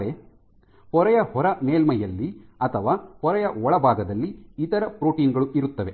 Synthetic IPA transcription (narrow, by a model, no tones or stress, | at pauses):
ɾe | hɔɾɐjɐhɔɾɐmeːlmɐjːɐlːiɐt̪ʰɐʋaːhɔɾɐjɐɔɭɐbʱaːɡɐd̪ɐlːiːt̪ɐɾɐpɾoːʈiːnɡɐɭuʔiɾut̪ːɐʋe